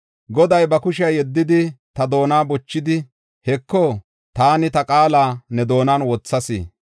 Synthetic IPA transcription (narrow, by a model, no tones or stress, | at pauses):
ɡɔd̪ɐjbɐkʊʃ̬ɪɐjjɛd̪ːɪd̪ɪt̪ɐd̪o̞ːnaːbɔt͡ʃːɪd̪ɪ | hɛkːɔ | t̪aːnɪt̪ɐkʼaːlaːnɛd̪o̞ːnaːnwɔt͡sːɐsḭː